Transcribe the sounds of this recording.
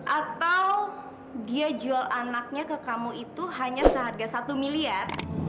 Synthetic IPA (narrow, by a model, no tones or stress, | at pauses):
ʔat̪aw | diad͡ʒualʔanak̚ɲakəkamuit̪uɦaɲasəɦarɡasat̪umiliar